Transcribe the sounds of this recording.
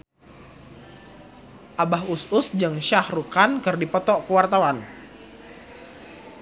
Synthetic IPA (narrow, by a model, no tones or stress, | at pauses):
ʔabaɦusʊsd͡ʒɨŋʃahrukankɨrdipɔt̪ɔʔkuwart̪awan